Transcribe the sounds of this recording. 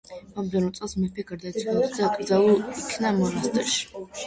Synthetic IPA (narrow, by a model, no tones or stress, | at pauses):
mamd̪ɛnɔt̪sʼɛlˠsmɛpʰɛɡaɾd̪at̪ʰʼɡaksd̪akʼɾd̪zalˠulikʰnamɔnast̪ʼɛʃi̥